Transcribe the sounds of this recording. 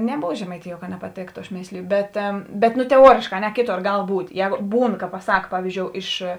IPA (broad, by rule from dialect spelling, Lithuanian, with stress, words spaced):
nʲɛˈboːʋɐ ʒʲɛmɐɪˈtʲɪjuɔ kɐ nʲɛpɐˈtʲeːktʊ ɐʃ ˈmʲeːsʲlʲɪjʊ ˈbʲɛt bʲɛt ˈnʊ tʲɛˈuɔrʲeːʃkɑː ɐ ˈnʲɛ ˈkʲeːˌtoːr ˈɡɐlˠ ˈbuːtʲ ˈjɛːɡoː ˈbuːn kɐ pɐˈsɐk ˈpɑːʋʲɪzʲd͡ʒʲoːʊ ˈɪʃ